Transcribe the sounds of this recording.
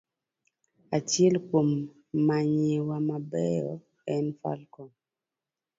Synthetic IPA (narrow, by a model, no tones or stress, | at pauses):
at͡ʃɛlkwomː | aɲewamabɛjɔ̰ | ɛnfa̰lkɔn